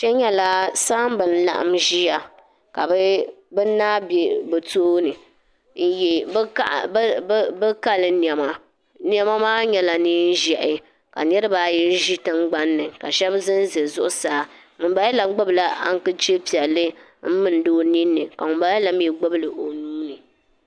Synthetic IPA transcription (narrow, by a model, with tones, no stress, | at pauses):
t͡ʃɛ˦ɲɛ˦la˦saː˦m˦bɨ˨n̩˦la̰˨ʔa̰˨mʒi˦ja˨ | ka˨bɛ˦bɨ˦naː˦bɛ˨bɛ˨tu˦ʔʊ˦nɨ˨ | n̩˦jɛ˨bka̰˦ʔbɛ˦ka˦lɨ˨n˨ɛ˨ma˨ | n˦ɛ˦ma˦maː˦ɲɛ˦la˨niː˦n˦ʒɛ˨ʔɪ˨ | ka˨nɛ˦ɾɨ˦baː˨jɛ˦ʒi˦tɨ˦ŋɡ͡ba˦nːɨ˨ka˨ʃɛ˦bzɨ˦n˦zɛ˨zʊ˦ʔʊ˦saː˨˦ | ŋu˨˦ba˨˦jɛ˦la˨˦ɡ͡bɨ˦bla˦ʔa̰˦ŋ˦kɨ˦t͡ʃe˦pi˨ɛ˨lːɨ˦ | m̩˦mɨ˨n˨˦doː˦ni˦nːɨ˨ka˨ŋʊ˨mba˨˦ɛ˦la˨m˦jɛ˨ɡ͡bʊ˦bɨ˦lɨ˨ʔo˨nuː˦nɨ˨